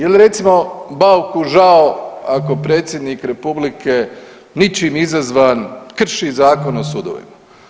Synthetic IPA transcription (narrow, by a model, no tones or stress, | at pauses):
jeliɾe̞t̪simo̞bawkuʒaoako̞pɾe̞ːt̪sjed̪nikɾe̞publike | nit͡ʃimizazʋaːnkr̩ʃizaːko̞nosuːd̪o̰ʋḭma